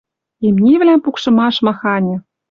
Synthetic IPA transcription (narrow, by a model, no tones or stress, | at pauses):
emnʲevlʲæmpukʃɤ̆mɑʃmɑxɑnʲɘ̆